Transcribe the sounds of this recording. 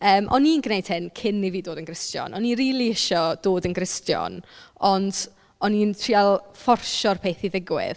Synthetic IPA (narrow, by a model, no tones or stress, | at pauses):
əːmʔɔ̰ninɡnejd̥hɪnkʰɪnːiviːdoːdənɡrɪstjɔ̰nɔniɾiːlˠiɪʃɔd̥oːdənɡrɪstjɔ̰nɔnd | ɔnintʰrialˠfɔrʃɔrpʰeːθiðɪɡwɪ̰ð